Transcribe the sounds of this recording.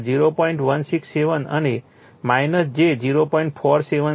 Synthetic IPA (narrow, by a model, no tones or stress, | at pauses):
d͡ʒiɾopɔiɳʈʋənsiksːeʋənə̰ne | majnəsd͡ʒed͡ʒiɾopɔiɳʈpʰɔɾseʋə